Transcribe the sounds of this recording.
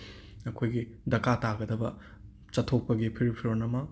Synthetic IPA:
ɐkʰojɡidɐkataɡɐdɐbɐ | t͡ʃɐtʰok̚pɐɡipʰiɾipʰiɾonɐmɐ

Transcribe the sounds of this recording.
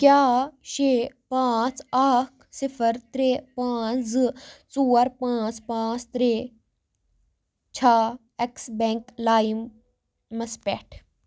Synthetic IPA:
kʲjaːʃepãːt͡saːksɪfʰəɾt̪ɾeːpãːt͡st͡suːɐɾpãːt͡spãːt͡st̪ɾeː | t͡ʃʰaː | eksbẽːŋklaːimː | ɐspɛʈʰ

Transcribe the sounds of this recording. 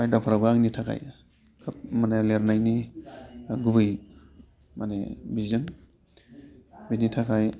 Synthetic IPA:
ajdapʰaɾabɯaŋnitʰakʰa̰j | kʰɯp̚maneleɾnajni | ɡubɯj | manḛbizɯŋ | binitʰakʰaj

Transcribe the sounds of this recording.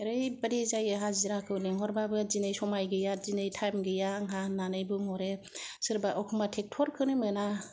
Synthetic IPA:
ɾɯjbaɾizajaɦaziɾakʰɯwneŋɦɔɾbabɯzinɯjsɔmajɡɯjazinɯjtʰajmɡɯjaŋɦananɯjbɯŋɔɾe | sɯɾbaʔɔkʰɯmatʰek̚tʰɔɾkʰɯnɯmɯna

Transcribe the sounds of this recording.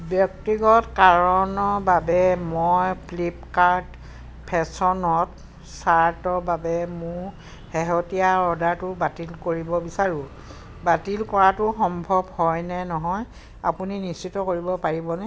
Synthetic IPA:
bjɔk̚tiɡɔtkaɹɔnɔɹbabɛmojpʰlip̚kaɹd | pʰɛsɔnɔt | saɹtɔbabɛmʊɹ | heɦotijaɔdaɹtʊbatilkoɹibɔbisaɹʊ̃ | batilkɔɹatʊxɔmbʱɔbhɔjnɛnɔɦɔj | a̰puninist͡ʃitːɔkoɹibɔpaɹibɔnɛ

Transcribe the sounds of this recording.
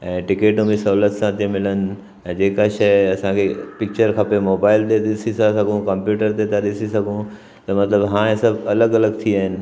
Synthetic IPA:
ɛ̃ːʈɪkeːʈõmĩsɐɦulət̪sãt̪ʰemɪlənɪ̆̃ | d͡ʑeːkaʃɐɪɐsãkʰepɪk̚t͡ɕəɾkʰɐpemoːbaːɪlt̪eɗɪsisasɐɡʱõkɐ̃mpjuːʈəɾt̪et̪ʰaɗɪsisɐɡʱõ | t̪ɐmɐt̪ləbɦãːẽsɐbʱɐləɡɐləɡt̪ʰiaːɦɪnɪ̆

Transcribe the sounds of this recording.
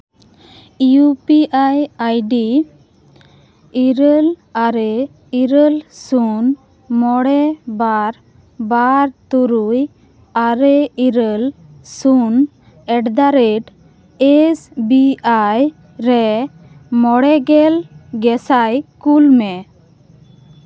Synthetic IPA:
iupiajajɖi | iɾəlaɾɛ | iɾəlsun | mɔɽɛbaɾ | baɾt̪uɾuj | aɾɛiɾəl | sun | ɛʈd̪aɾɛʈ | esbiaj | ɾɛ | mɔɽɛɡɛlɡɛsajkulmɛ

